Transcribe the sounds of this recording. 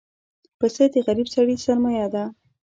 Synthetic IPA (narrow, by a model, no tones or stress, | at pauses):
pəsed̪əɣaɾibsaɽisaɾmajɑd̪a